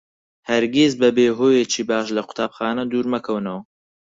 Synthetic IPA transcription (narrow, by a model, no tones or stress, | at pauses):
hɐɾɡʲezbɐbeːɦoːjet͡ʃiːbaːʃlɐqʊ̥t̪ʰaːbxaːnɐd̪uːɾmɐkʰɐwnɐwɐ